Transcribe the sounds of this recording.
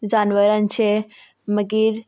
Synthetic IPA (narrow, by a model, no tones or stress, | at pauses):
d͡ʒaːnʋəɾənt͡ʃʰe | məɡiɾ